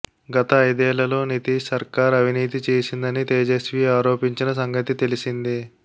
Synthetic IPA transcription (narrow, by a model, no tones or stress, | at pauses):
ɡɐt̪ɐːjd̪ɛːlːɐlo̞ːnit̪iːʂsɐɾkaːɾɐʋiniːt̪̬it͡ʃeːsind̪ɐnit̪eːd͡ʒesʋiːaːɾo̞ːpiɲt͡ʃinɐs̬ɐŋɡɐt̪it̪e̞lisind̪i